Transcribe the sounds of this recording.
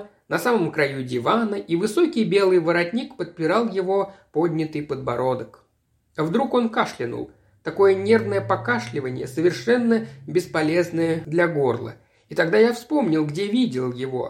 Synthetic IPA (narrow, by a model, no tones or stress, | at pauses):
nɐsaməmkɾɐjudʲɪvanəʔivɨso̞kʲɪjbʲe̞lˠɨjvəɾɐtʲnʲikpət̪̚pʲɪɾalˠjɪvo̞po̞dʲnʲɪt̪ɨjpəd̪̚bɐɾo̞d̪ək | ɐvd̪ɾuko̞nkaʂlʲɪnṵlˠ | t̪ɐko̞jənʲe̞rvnəjəpɐkaʂlʲɪvənʲɪjə̰səvʲɪrʂɛnːəbʲɪspɐlʲe̞znəjəd̪lʲɐɡo̞rlˠə̰ | it̪ɐɡd̪ajafspo̞mnʲɪlˠɡdʲe̞vʲidʲɪlˠjɪvo̞̰